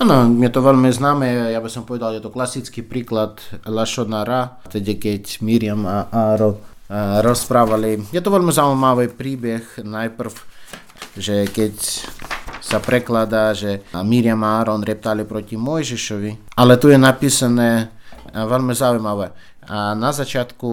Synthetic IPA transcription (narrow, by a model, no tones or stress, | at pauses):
anɔmʲɛt̪ɔʋɛlʲmiznaːmɛjabisɔmpɔʋɛd̪alˠjɛt̪ɔklasit͡skipɾiːklat̪laʃɔdnaɾa | t̪ɛɟɛkɛcʲmiːɾɪamaaːɾɔnɾɔspɾaːʋalijɛt̪ɔʋɛlʲmizaujmaʋipɾiːbɛxnajpr̩w | ʒɛkɛcʲ | sapɾʔɛklad̪aʒɛmiɾɪjamaaːɾɔnɾɛp̚t̪alɪpɾɔcʲimɔjʒiʃɔʋialɛt̪ujɛnapiːsanɛ | ʋɛlʲmɪzaujmaʋɛ | anazat͡ʃɪat̪ku